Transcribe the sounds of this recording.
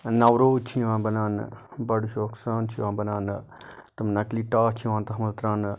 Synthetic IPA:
nɐwɾoːt͡ʃʰĩʋãːbɐnaːnbɐɽuʃoːksaːnt͡ʃʰĩʋãːbɐnaːn | t̪ɐmnɐkliːʈaːt͡ʃʰiʋãːt̪ɐɦɐmɐzt̪ɾãːn

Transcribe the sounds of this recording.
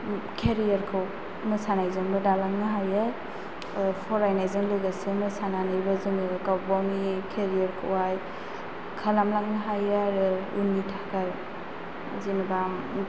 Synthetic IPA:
kʰeɾijaɾkʰɯw | mɯsanajzɯŋbɯdalaŋnɯɦajaɾ | pʰɔɾajnajzɯŋlɯɡasɯmɯsananajbazɯŋkawbawnikʰeɾijaɾkʰɯwaj | kʰalamlaŋnɯɦajaɾṵnːitʰakʰaɾ | zinbam

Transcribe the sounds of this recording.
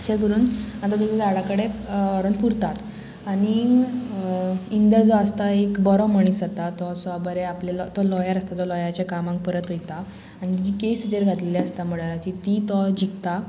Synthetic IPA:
əɕeɡəɾuːnat̪ɔt̪ɔsad͡zaɽakəɽeɔɾənpuɾt̪at̪ | aɽ̃i | ind̪əɾd͡zɔəst̪aekbɔɾɔməɳ̃isat̪at̪ɔsabəɾeaplelɔt̪ɔlɔjaɾəst̪at̪ɔlɔjat͡ɕjakamãŋk̚pəɾət̪ɦojt̪a | añid͡ʑd͡ʑikesid͡zəɾɡʱat̪leljaəst̪am̤əɽəɾat͡ɕit̪it̪ɔd͡ʑikt̪a

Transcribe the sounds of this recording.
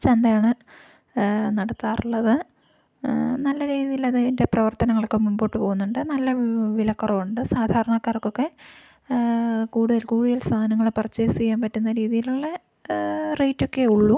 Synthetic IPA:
t͡ɕend̪ɐjaːɳɨ | nɐɽɐt̪ːaːruɭːɐðɨ | nɐlːɐɾiːðijilɐðɨende̞prɐʋɐrt̪ɐnɐŋːɐɭokːemuɳbo̞ːʈːɨpo̞ːɣunːuɳɖɨnɐlːɐʋilɐkːurɐʋuɳɖɨsaːd̪ʱaːɾɐɳɐkːaːrɐkːokːe̞ | kuːɽuðɐlkuːɽuðɐlst̪ʰaːɐnɐŋːɐɭepɐrɐt͡ɕːesijːaːmpɐtːunːɐɾiːðijiluɭːɐ | rejtːo̞kːe̞uɭːu

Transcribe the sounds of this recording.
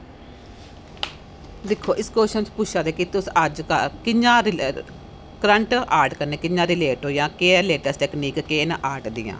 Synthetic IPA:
d̪ɪkʰːoːʔɪskoːʃənt͡ʃpʊʃãːd̪eːkɪt̪ːʊsəd͡ʒkɪd͡ʒãːɾ | kɾəɳʈaːɾʈkəɾneːkɪɲd͡ʒãːɾɪleːʈɦoːjãːkeːleːʈəsʈɛːkniːkːeːnaʔaːɾʈd̪ɪ̰jã̰ː

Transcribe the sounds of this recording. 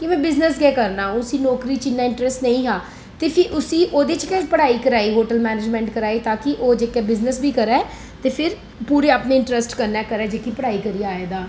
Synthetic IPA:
kɪmɛ̃ːbɪznəsɡɛːkəɾnaːɦũʊsiːnɔːkɾiːt͡ʃɪnːaːɪ̃ɳʈɾɛsʈnəĩːɦãː | t̪eːpʰɪʔʊsiːʔoːd̪eːt͡ʃkɛ̃pəɽaːiːkəɾaːiːɦoːʈəlmɛːneːd͡ʒmɛ̃ːɳʈkəɾaːiːt̪aːkɪʔoːd͡ʒeːkɛːbɪznəsbiːkəɾɛː | t̪eːpʰɪɾ | puːɾeːaːpneːɪ̃ɳʈɾɛsʈkəɾnɛːkəɾɛːd͡ʒeːkipəɽaːiːkəɾiːaːeːd̪aː

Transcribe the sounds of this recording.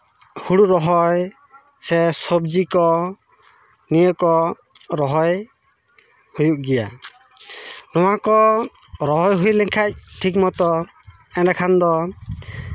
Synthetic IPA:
huɽuɾɔɦɔj | sɛsɔb̚d͡ʒikɔ | nijɔkɔ | ɾɔɦɔj | hujuk̚ɡɛja | nɔwakɔɾɔɦɔjɦujlɛŋkʰac̚ʈʰik̬̚mɔt̪ɔ | ɛnakʰand̪ɔ

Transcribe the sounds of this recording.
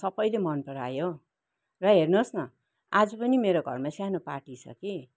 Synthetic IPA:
sʌbʌjlemʌnpʌɾa̰jo | rʌɦernosnʌ | ad͡zʌpʌnimeɾoɡʱʌ̰rmasjanopa̰ʈit͡sʰʌ̰ki

